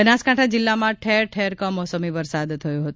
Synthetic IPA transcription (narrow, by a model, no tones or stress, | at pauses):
ənaskaʈʰad͡ʒɪlːamãʈʰeɾʈʰeɾkəmɔsəmiʋəɾsad̪t̪ʰːəjũɦət̪